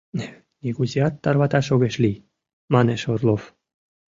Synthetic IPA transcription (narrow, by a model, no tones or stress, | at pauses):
nʲiɡuzʲiɑt̪ːɑrβɑt̪ɑʃoɣeʃlʲi | mɑneʃorlof